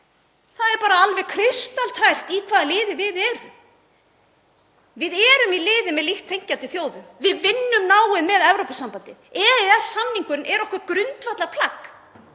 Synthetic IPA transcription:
θaðɛɾpaːɾaalvɛɣkʰɾɪst̪alt̪ʰhajr̥t̪ikʰvaːðlɪːðɪvɪðɛːɾʏm | vɪðɛːɾʏmilɪːðɪmɛðlixt̪ʰːejɲ̥cant̪ʏθjoːwðʏmvɪðvɪnːʏmnaːwɪðmɛðɛvɾowpasampant̪ɪɛɾɪðɛsamniŋkʏɾɪnʔɛɾɔhkvaɾkɾʏnt̪vat̪lapʰlak

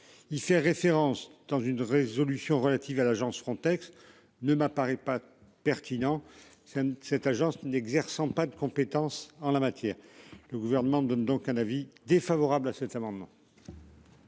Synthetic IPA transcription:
ilfɛʁefeʁɑ̃sd̪̥ɑ̃zynʁezɔlysjɔ̃ʁəlat̪ivalaʒɑ̃sfχɔ̃t̪ɛks | nəmapaʁɛpa | pɛʁt̪inɑ̃ | sɛt̪aʒɑ̃snɛɡzɛʁsɑ̃pad̪əkɔ̃pet̪ɑ̃sɑ̃lamat̪jɛːʁləɡuvɛʁnəmɑ̃d̪ɔnd̪ɔ̃kɛ̃navid̪efavɔʁablasɛt̪amɑ̃d̪mɑ̰̃

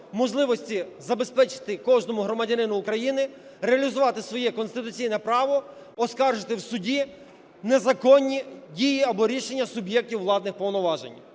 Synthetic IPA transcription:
mɔʒlˠɪʋɔsʲtʲizɐbespɛt͡ʃɪ̥t̪ɪkɔʒnɔmʊɦɾɔmɐdʲɐnɪnʊːkɾɐjinɪ | ɾeɐlʲizʊʋɑt̪ɪsʋɔjɛkɔnst̪ɪt̪ʊt͡sʲijnɛpɾɑʋɔː | skɑrʒɪt̪ɪwsʊdʲi | nezɐkɔnʲːidʲijiɐbɔɾʲiʃe̞nʲːɐsʊbjɛk̚tʲiwːlˠɑd̪nɪxpɔwnɔʋɑʒḛnʲ

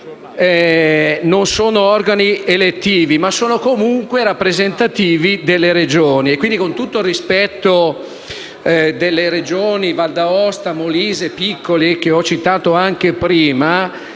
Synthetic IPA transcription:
ɛ | nonsoːnoɔrɡanielet̪ːiːvimasːoːnokomuŋkweɾapːɾezent̪at̪iːvid̪elːeɾed͡ʒoːniekːwind̪ikont̪ut̪ːoilrispɛt̪ːo | d̪elːeɾed͡ʒoːnivald̪aɔst̪amoliːzepikːolik̟eɔt͡ʃːit̪aːt̪oaŋk̟epɾiːma

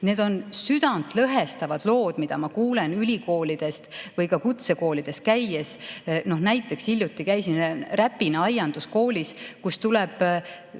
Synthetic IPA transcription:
ne̞d̪̥o̞nsyd̪̥ɑnd̪lɤɦe̞st̪ɑvɑd̪̥lo̞ːd̪̥mid̪̥ɑmɑkuːlenylʲiko̞ːlid̪̥e̞st̪vɤjkɑkut̪se̞ko̞ːlid̪̥e̞st̪̚kæjesno̞ɦnæjt̪ːˑe̞ksilʲjut̪ːˑikæjsinræpːinɑɑjɑnd̪̥usko̞ːlʲiskust̪ulɛb̥

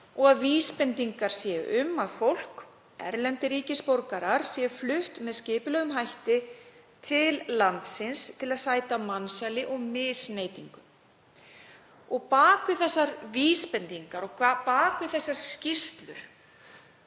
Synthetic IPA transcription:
ɔɣaðviːspɛnt̪iŋkaɾ̥sjɛʏmːaðfowl̥k | ɛ̰ɾlɛnt̪ɪɾiːcɪspowɾkaɾaɾ̥sjɛʏflʏht̪mɛðscɪːpɪlœɣʏmɦajht̪ɪ | t̪ʰɪllant̪sɪnst̪ʰɪlaðsaːjt̪amansalɪʔɔɣmɪðsnejt̪iŋkʏm | ɔɣpaːkʏθɛsːaɾviːspɛnt̪iŋkaɾɔɣkʰvapaːkʏθɛsːaɾ̥scɪst̪lʏ̰ɾ̥

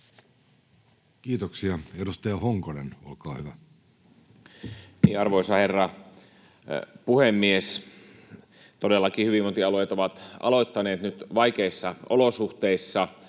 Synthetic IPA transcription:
kiːt̪oksiɑedust̪ɑjɑhoŋkonenolkɑːhyʋæ | niːɑrʋoisɑherːɑ | puhemːies | t̪odelːɑkihyʋimot̪iɑlojɑt̪oʋɑt̪ʔɑ̰loit̪ːɑneːt̪nyt̪ʋɑikeisːɑʔolosuht̪eisːɑ

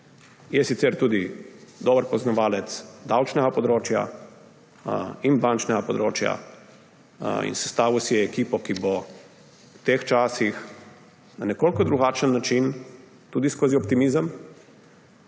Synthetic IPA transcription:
jɛsit̪sɛɾt̪uːd̪id̪ɔːbəɾpɔznɔʋaːlɛt̪sd̪awt͡ʃnɛɡapɔd̪ɾoːt͡ʃja̰ | inbant͡ʃnɛɡapɔd̪ɾoːt͡ʃja̰ | ḭnsɛ̥st̪aːʋusijɛːkiːpɔkibɔ | wt̪eːxt͡ʃaːsix | nanɛkoːlkɔd̪ɾuɡaːt͡ʃənːat͡ʃin | t̪uːd̪iskoːziɔp̚t̪imizəm

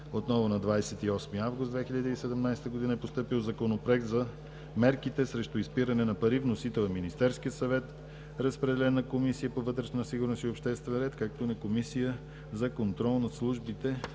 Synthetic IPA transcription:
ot̪nɔvonɐd̪vajsɛt̪iɔsmiəavɡʊst̪d̪vɛxiʎʲəd̪iːsɛd̪ɛmnajst̪əɡod̪inəɛpost̪ɤpilˠzɐkonopɾɛkt̪zɐ | mɛɾkit̪ɛsɾɛʃt̪ʊispiɾɐnɛnɐpɐɾivnosit̪ɛlˠɐminist̪ɛɾskiət̪sɐvɛt̪ | ɾəspɾɛd̪ɛlɛnəkomisijəpovɤt̪ɾɛʃnət̪əsiɡʊɾnosiopʃt̪ɛst̪vɛnɾɛt̪kak̚t̪oʊnɐkomisijə | zɐkont̪ɾɔlˠnɐslˠuʒbit̪ɛ

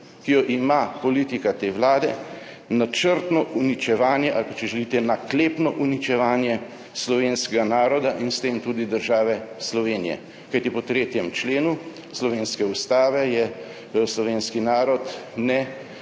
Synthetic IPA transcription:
kijɔʔimapɔliːt̪ikat̪eːʋlaːd̪ɛ | nat͡ʃəɾt̪nɔʔunit͡ʃɛʋaːnjɛʔalpat͡ʃɛʒɛlit̪ɛnakleːpnɔʔunit͡ʃɛʋaːnjɛ | slɔʋeːnskɛɡanaːɾɔd̪aʔinst̪eːmt̪uːd̪id̪əɾʒaːʋɛslɔʋeːnijɛ̰ | kajt̪ipɔt̪ɾeːt̪jɛmt͡ʃleːnu | slɔʋeːnskɛust̪aːʋɛjɛ | slɔʋeːnskinaːɾɔt̪nɛ

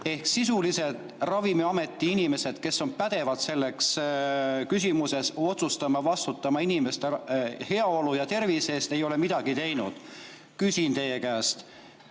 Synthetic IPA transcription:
e̞hksisulise̞d̪ˑ | rɑvimiɑme̞t̪ːˑiinime̞se̞d̪̥ke̞sːo̞npæd̪̥e̞vɑd̪se̞lːe̞ks | kys̬ʲimuse̞so̞t̪sust̪ɑmɑvɑst̪ut̪ːˑɑmɑinime̞st̪ehe̞ɑolujɑt̪e̞rvise̞ːst̪e̞jo̞le̞mid̪̥ɑɡ̥it̪e̞jnud̪̥ | kysʲint̪e̞jekæːst̪

